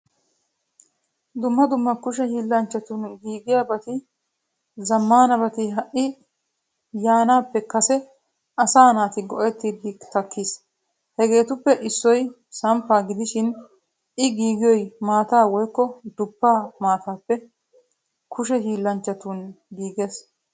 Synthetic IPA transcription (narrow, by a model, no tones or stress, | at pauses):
d̪ʊmːɐd̪ʊmːɐkʊʃ̬ɛhiːlːɐnt͡ʃːɐt̪ʊnɡiːɡɪjaːbɐt̪ɪ | zɐmːaːnɐbɐt̪ɪɦɐʔɪ | jaːnaːpːɛkɐsɛ | ʔɐsaːnaːt̪ɪɡɔʔɛt̪ːiːd̪ɪt̪ɐkːiːs | hɛɡe̞ːt̪ʊpːɛʔɪsːɔj | sɐmpːaːɡɪd̪ɪʃɪn | ʔɪɡiːɡɪjɔjmaːt̪aːwɔjkːɔd̪ʊpːaːmaːt̪aːpːɛ | kʰʊʃ̬ɛɦiːlːɐnt͡ʃːɐt̪unɡiːɡes